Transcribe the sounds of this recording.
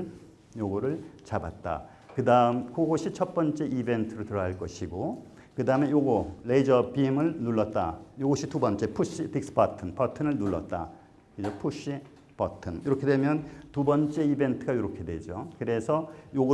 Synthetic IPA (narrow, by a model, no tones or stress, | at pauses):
joɡʌɾɯɭt͡ɕaba̰t̚t͈a̰ | kɯdamkoɡoɕʰit͡ɕʰʌt̚p͈ʌnt͡ɕ͈e̞ʔibe̞ntʰɯɾotɯɾʌɦaɭk͈ʌɕʰiɡo | kɯdaɯme̞joɡoleid͡ʑʌpimɯɭnuɭːʌt̚t͈a̰joɡoɕʰitubʌnt͡ɕ͈e̞pʰuɕ͈itik̚s͈ɯ̥patʰɯnpʌtʰɯnɯɭnuɭːʌt̚t͈a̰ | kɯd͡ʑopʰuɕ͈i | pʌtʰɯniɾʌkʰe̞dwemjʌntubʌnt͡ɕ͈e̞ibe̞ntʰɯɡaiɾʌkʰe̞dwe̞d͡ʑokɯɾe̞sʰʌjoɡo